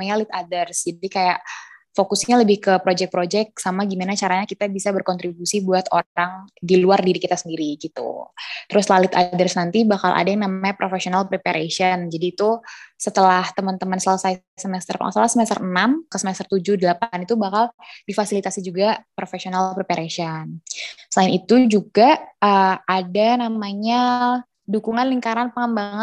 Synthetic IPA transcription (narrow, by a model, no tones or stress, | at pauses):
maɲalɪt̪adərsd͡ʒadikajaʔfokʊsɲaləbɪhkəpɾod͡ʒɛk̚pɾod͡ʒɛk̚samaɡimanat͡ʃaɾaɲakit̪abisabərkɔnt̪ɾibusibuat̪oaŋdiluardiɾikit̪asəndiɾiɡit̪ṵt̪əɾʊslalɪt̪adərsnant̪ibakalʔa̰daŋnamapɾʔofesionalpɾepaɾʔesənd͡ʒadiːt̪usət̪əlaht̪əmənt̪əmansələsaj | səmɛst̪ərksalasəmɛst̪ərənamkəsəmɛst̪ərt̪ud͡ʒʊhdəlapanit̪ubakaldifasilit̪asid͡ʒuɡapɾofesionalpɾepaɾʔesɔnsəlaɪnit̪ud͡ʒuɡaəadanamaɲa | dukuŋanliŋkaɾanpəŋəmbaŋət̪̚